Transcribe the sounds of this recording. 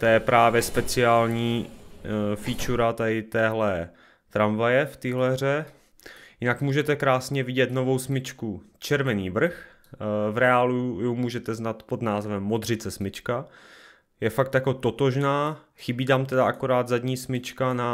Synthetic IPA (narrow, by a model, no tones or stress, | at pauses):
t̪ojɛpɾaːvjɛspɛt͡sɪaːlɲiː | fiːt͡ʃuɾat̪adɪt̪ɛːɦlɛ | t̪ɾamvajɛft̪ɪɦlɛɦr̝ɛ | jɪnakmuːʒɛt̪ɛkɾaːsɲɛvɪɟɛt̪no̞vo̞wsmɪt͡ʃkut͡ʃɛɾvɛniːvr̩x | vɾɛaːlujowmuːʒɛt̪ɛznat̪po̞d̪naːzvɛmːod̪r̝ɪt͡sɛsmɪt͡ʃka | jɛfakt̪jakot̪o̞t̪o̞ʒnaː | xɪbiːt̪amt̪ɛdaʔakoɾaːd̪zadɲiːsmɪt͡ʃkana